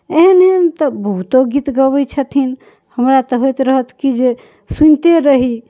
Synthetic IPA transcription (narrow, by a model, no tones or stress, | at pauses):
enet̪əbəɦut̪oɡit̪ɡəbəjt͡ʃʰət̪ʰin | həmɾat̪əɦojt̪ɾəɦət̪kid͡ʒe | sunt̪eɾəɦi